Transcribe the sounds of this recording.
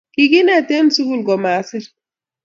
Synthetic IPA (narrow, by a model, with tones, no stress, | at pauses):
ki˦ɡi˦ne˦˨te˦n˦su˦ɡu˦˨lɡɔ˨ma˨˦si˦ɾ